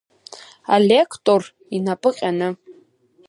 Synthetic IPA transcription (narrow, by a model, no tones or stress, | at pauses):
a̰lʲekʰtʼor | inapʼɨqʲʼanɨ